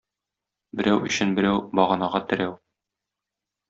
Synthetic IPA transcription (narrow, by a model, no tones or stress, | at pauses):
bɘ̆ɾæwɵ̆ɕɘnbɘ̆ɾæwbɒʁɑ̆nɑʁɑt̪ɘ̆ɾæw